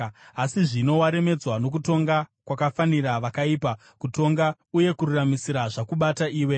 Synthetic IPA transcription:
asiʐino̞waɾe̞me̞d͡zwano̞kuto̞ŋɡakwakafaniraʋakaiːpa | kuto̞ŋɡa | uje̞kururamisiɾaʐakuɓataʔiːwe̞

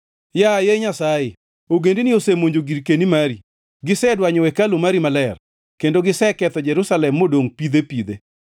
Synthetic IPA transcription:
jajeɲasaje | oɡendinijosemoɲd͡ʒoɡiɾkenimaɾi | ɡɪsɛdwaɲɔwɛkalomaɾimalɛr | kendoɡɪsɛkɛt̪ɔd͡ʒɛɾusalɛmːodoŋpid̪epid̪e

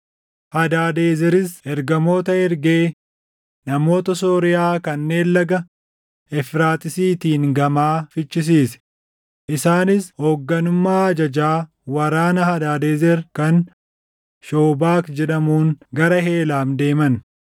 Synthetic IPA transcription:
hɐd̪aːd̪eːzɛɾɪsɛɾɡɐmo̞ːt̪ɐhɛɾɡe̞ː | nɐmo̞ːt̪ɐsoːɾɪjaːkɐnːe̞ːlːɐɡɐ | ɛfɾaːt̪ʼɪsiːt̪iːŋɡɐmaːfɪt͡ʃːɪs̬iːsɛ̥ | ʔɪsaːnɪshoːɡːɐnʊmːaːɐd͡ʒɐd͡ʒaː | wɐɾaːnɐhɐd̪aːd̪eːzɛɾkɐn | ʃoːbaːkd͡ʒɛᶑɐmuːŋɡɐɾɐɦe̞ːlaːmd̪e̞ːmɐn

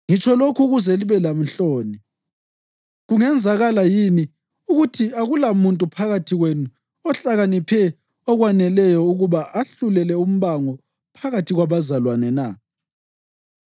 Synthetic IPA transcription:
ŋit͡ʃʰʼɔlokʰuɣuzɛliβɛlam̩ɬoːni | ɣuŋɛnd͡zʱaɣalajini | uɣutʰiaɣulamuntʼupʰaɣatʰiɣwenu | ɔɬaɣanipʰɛ | ɔɣwanɛlɛjɔuɣuβaʔaɬulɛlɛum̩βaŋɔ | pʰaɣatʰiɣwaβazalwanɛna̰

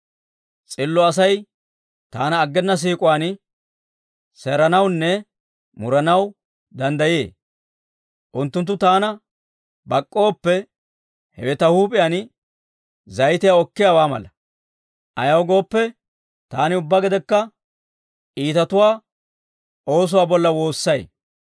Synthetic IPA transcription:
t͡sʼɪlːɔɐsɐj | t̪aːnɐːɡːɛnːɐs̬iːkʼʊwaːn | sɛɾɐnɐwnːɛ | mʊɾɐnɐw | d̪ɐnd̪ɐjjḛː | ʔʊnt̪ːʊnt̪ːʊt̪aːnɐ | bɐkʼːo̞ːpːɛ | hɛ̰wɛt̪ɐhuːpʼɪjaːn | zɐjt̪ɪjaɔkːɪjawaːmɐ̰lɐ | ʔɐ̰jɐwɡo̞ːpːɛ | t̪aːnɪʊbːaɡɪd̪ɛkːɐ | iːt̪ɐt̪ʊwaː | ʔo̞ːs̬ʊwaːbɔlːɐwo̞ːsːɐj

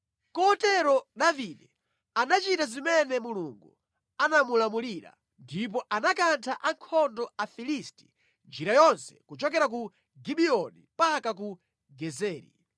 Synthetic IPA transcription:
kɔtɛɾɔɗaviɗɛ | anat͡ʃitazimɛnɛmuluŋɡu | anamulamuliɾa̰ | ndip̬ɔʔanakantʰaʔaŋkʰɔndɔafilisti̥ | nd͡ʒiɾajɔnsɛ̥kut͡ʃɔkɛɾak̬u | ɡiɓiɔnḭpakak̬u | ɡɛzɛːɾḭ

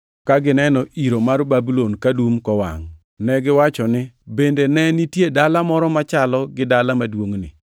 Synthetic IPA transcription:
kaɡɪnɛnɔʔiɾomarbabilonkadumkɔwa̰ŋ | nɛɡɪwat͡ʃɔnɪbendenɛnitjedalamɔɾɔmat͡ʃalɔɡɪdalamadwoŋnɪ̰

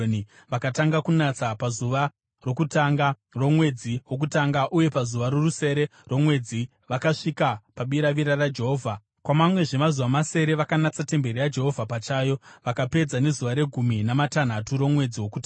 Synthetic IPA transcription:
ni | ʋakataŋɡakunat͡sapazuʋa | ro̞kutaŋɡa | ro̞mwe̞d͡ziwo̞k̬utaŋɡaʔuje̞pazuʋaɾo̞ruse̞ɾe̞ro̞mwe̞d͡zi | ʋakaʂikapaɓiɾaʋiɾarad͡ʒe̞ɦo̞ːvʱa | kwamamwe̞ʐe̞mazuʋamase̞ɾe̞ʋakanat͡sate̞mbe̞rijad͡ʒe̞ɦo̞vʱapat͡ʃaːjo̞ʋakape̞d͡zane̞zuʋaɾe̞ɡʱuminamatan̤atuɾo̞mwe̞d͡ziwo̞kuta

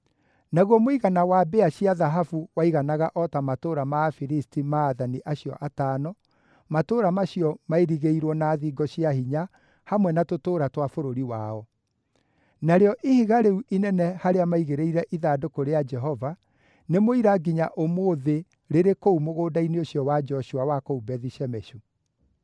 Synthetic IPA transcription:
naɣwɔmoiɣanawabeaɕiaðaɦafuwaiɣanaɣaʔɔtamatoːɾamafiɾistimaːðaniʔaɕjɔ̰ʔataːnɔ | matoːɾamaɕiɔmaeɾiɣeiɾwɔnaːðiːɡɔɕiahiɲa | hamwɛnatotoːɾatwafoɾoɾiwaɔ | naɾeɔʔihiɣaɾeuʔinɛnɛhaɾeamaiɣeɾeiɾɛʔiðadokoɾead͡ʒɛɦɔva | nemoiɾaɡiɲaʔomoːðe | ɾeɾekoumoɣoːdaineoɕijɔwad͡ʒɔɕuawakoubɛðiɕɛmɛʃu

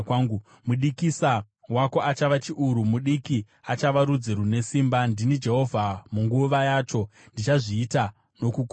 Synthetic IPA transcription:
kaːŋɡu | muɗikisa | wako̞at͡ʃaʋat͡ʃiʔuɾumuɗiki | at͡ʃaʋaɾud͡zirune̞siːmbandinid͡ʒe̞ɦo̞vʱamuŋɡuʋajaːt͡ʃo̞ | ndit͡ʃaʐiːta | no̞kuk

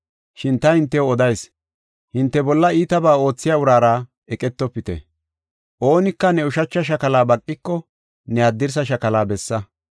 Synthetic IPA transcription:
ʃɪnt̪ɐhɪnt̪ːɛwɔd̪ɐjs | hɪnt̪ːɛbɔlːɐiːt̪ɐbaːo̞ːt͡sːɪjaːʊɾaːɾa | ɛkʼɛt̪ːɔpːɪt̪ɛ̰ | ʔo̞ːnɪkːɐnɛʊʃɐt͡ʃːɐʃɐkɐlaːbɐkʼːɪkːɔ | nɛad̪ːɪɾs̬ɐʃɐkɐlaːbɛsːɐ

